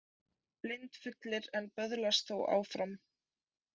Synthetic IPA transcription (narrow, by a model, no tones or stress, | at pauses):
plɪnt̪fʏt̪lɪɾɛnpœðlast̪θowʔa̰ːwfɾam